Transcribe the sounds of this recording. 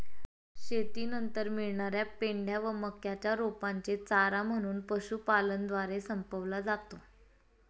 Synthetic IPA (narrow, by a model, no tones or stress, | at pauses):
ɕet̪iːnənt̪əɾmiɭɳaɾjapeɳɖjaʋəməkjat͡ɕjaɾopaɲt͡set͡saɾam̤əɽ̃uːnpəɕuːpalənd̪ʋaɾesəmpəʋlad͡zat̪o